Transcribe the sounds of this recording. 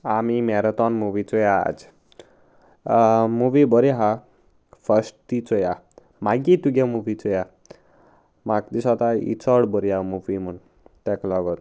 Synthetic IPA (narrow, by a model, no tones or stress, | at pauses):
amimɛɾət̪ɔnmuʋit͡sɔja̰ːd͡ʒ | muʋibɔɾiɦa | fʰəsʈt̪it͡sɔja | maɡit̪uɡamubit͡sɔja | makd̪isɔt̪aḭt͡sɔɽbɔɾiamuʋimun | t̪ɛklɔɡɔɾ